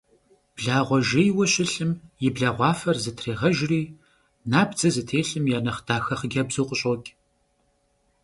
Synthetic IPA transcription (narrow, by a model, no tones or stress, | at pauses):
b̥ɮaːʁʷɔʒejwɐɕɪɬɨmjɪbɮaːʁʷɑːfɐrzɨtʰreːʁɐʒriː | naːbd͡zɐzɨtʰeːɬɨmjaːnɐχtʰaːxɐχəɡʲɐbzuːqʷʼʊɕʼɔkʲʼ